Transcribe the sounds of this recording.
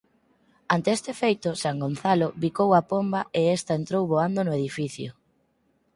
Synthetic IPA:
ant̪eest̪efejt̪ʊsaŋɡonθalʊβikowapombaʔeest̪aent̪ɾowβoand̪onʊeðifiθjʊ

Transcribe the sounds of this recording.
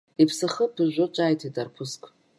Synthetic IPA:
ipʰsaχəpʰɨʒʷʊt͡ʃʷʼajtʰitʼarpʰʊskʷʰʼ

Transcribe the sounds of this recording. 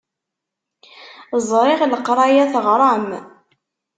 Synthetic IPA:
zˤɾˤɪʁləqɾˤɑjæθəʁɾˤɑm

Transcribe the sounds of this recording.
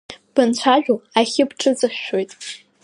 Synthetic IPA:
b̥ɨnt͡ɕʷʰaʒᶣuaχʲɪpʈ͡ʂʰʼɨd͡zɨχʃo̞jtʼ

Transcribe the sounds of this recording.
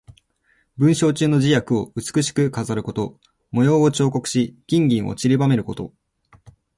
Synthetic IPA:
bɯ̟̃ɰ̃ɕo̞ːt͡ɕɨːno̞ʑijakɯ̟o̞ɯ̟t͡sɨ̥kɯ̟ɕi̥kɯ̟kazaɾɯ̟ko̞t̪o̞ | mo̞jo̞ːot͡ɕo̞ːko̞kɯ̟̥ɕiɡ̥ʲĩŋɡʲĩɰ̃ʔo̰t͡ɕiɾʲibame̞ɾɯ̟ko̞t̪o̞̰

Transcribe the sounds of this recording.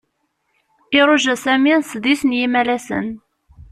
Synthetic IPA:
ɪɾˤʊʒæsæmisðisənjimælæsə̰n

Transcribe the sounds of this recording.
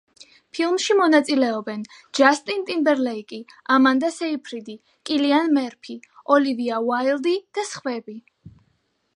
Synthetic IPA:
pʰilˠmʃimɔnat̪sʼilɛɔbɛn | d͡ʒast̪ʼint̪ʼimbɛɾlɛikʼiamand̪asɛipʰɾid̪i | kʼilianmɛɾpʰiɔliviawailˠd̪id̪̥asχvɛbi

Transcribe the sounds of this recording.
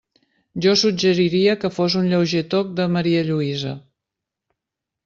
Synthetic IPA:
ʒɔsud͡ʒəɾiɾiəkəfozunʎəwʒet̪ok̚d̪əməɾiəʎuizə

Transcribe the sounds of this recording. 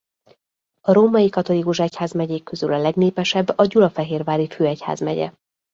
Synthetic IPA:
ɒɾoːmɒjikɒt̪o̞likuʃɛchaːzmɛɟeːkːø̞zylɒlɛɡneːpɛʃɛbːɒɟulɒfɛɦeːrvaːliføːɛcha̰ːzmɛɟɛ̰

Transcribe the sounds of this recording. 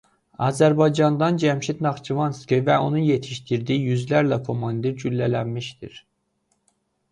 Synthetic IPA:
ɑːzæɾbɑjd͡ʒɑnd̪ɑnd͡ʒæmʃit̪ʰnɑχt͡ʃʰivɑnskivæo̞nuje̞t̪ʰiʃt̪iɾd̪ijyzlæɾlækʰo̞mɑnd̪iɾd͡ʒylːælænmiʃd̪ḭɾ

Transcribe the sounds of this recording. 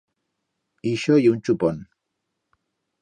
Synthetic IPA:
iʃɔjunt͡ʃupɔn

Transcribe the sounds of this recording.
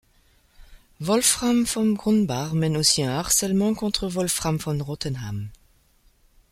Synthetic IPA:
vɔlfʁamfɔmɡʁɔ̃nbaʁmɛnosiɛ̃aʁsɛlmɑ̃kɔ̃t̪χəvɔlfʁamfɔ̃nʁɔt̪ɛnham

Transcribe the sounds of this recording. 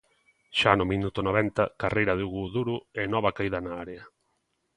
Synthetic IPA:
ʃanʊmĩnut̪ʊnoβ̞ɛnt̪ɐkarejɾɐðeuɣuðuɾʊɛnɔβɐkaiðɐnaaɾeɐ

